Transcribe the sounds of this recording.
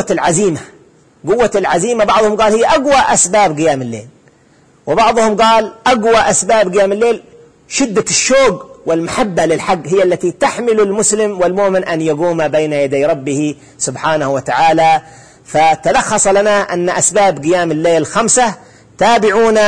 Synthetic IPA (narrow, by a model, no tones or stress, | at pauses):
lʕaziːma | ɡʊwːaɪlʕaziːmabɑʕðˤhʊmɡaːlhɪjːaʔaɡwaʔasbaːbɡɪjaːmɪlːḛːl | wɪbɑʕðˤhʊmɡaːlʔaɡwaʔasbaːbɡɪjaːmɪlːeːl | ʃɪd̪ːaʃːoːɡwɪlmaħabːalɪlħaɡːhɪjːalːat̪it̪aħmɪlalmʊslɪmwɪlmʊʔmɪnʔanjaɡuːmabejnajad̪ajɾˤɑbːɪhi | sʊbħaːnahwat̪aʕaːla | fat̪alɑxːɑsˤɑlanaʔanːaʔasbaːbɡɪjaːmɪlːeːlɪlxamsa | t̪aːbɪʕuːna